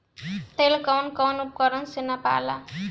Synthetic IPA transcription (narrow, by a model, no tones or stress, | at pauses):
t̪elkawnkawnup̚kʌɾʌnsenːapa̰la̰